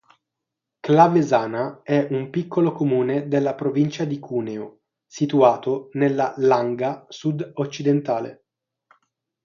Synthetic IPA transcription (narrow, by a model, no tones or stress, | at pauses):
klavezaːnaɛumpikːolokomuːned̪elːapɾovint͡ʃad̪ikʰuːneo | sit̪uaːt̪onelːalaŋɡasud̪ot͡ʃːid̪ent̪aːlḛ